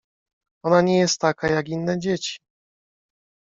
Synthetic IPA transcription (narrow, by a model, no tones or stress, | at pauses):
ɔnaɲejɛst̪ːakajaɡinːɛd͡ʑet͡ɕi̥